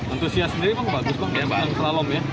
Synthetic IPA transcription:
ant̪usiasːəndiɾipʊnbaɡʊspʊŋbaabaaŋsəɾalɔmja

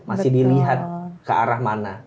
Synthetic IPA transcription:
masɪhdiliɦat̪̚kəaɾahmana

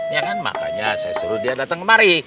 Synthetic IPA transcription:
jaŋanma̰ka̰ɲasajasuɾʊt̪̚diadat̪əŋkəmaɾi

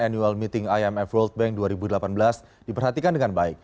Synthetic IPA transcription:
anjualmit̪ɪŋajɛmɛfwɔlt̪̚bɛŋk̚duaɾibudəlapanbəlas | d̥ipərɦat̪ikandəŋanbaɪk̚

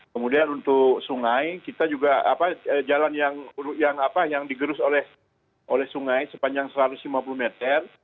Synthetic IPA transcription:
kəmudianunt̪ʊksuŋajkit̪ad͡ʒuɡaa̰paəd͡ʒalanjaŋjaŋapajaŋdiɡəɾʊsolɛh | ʔolɛhsuŋajsəpaɲd͡ʒaŋsəɾat̪ʊslimapulumet̪ər

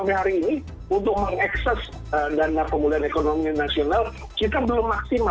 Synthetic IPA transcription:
abiɦaɾiːni | unt̪ʊk̚məŋɛksɛs | ədanapəmuluɦanekonominasional | kit̪abəlʊmːaksima

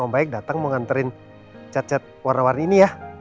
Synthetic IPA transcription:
əmbaɪk̚dat̪aŋməŋant̪əɾɪn | t͡ʃat̪̚t͡ʃat̪̚warnawarnainijah

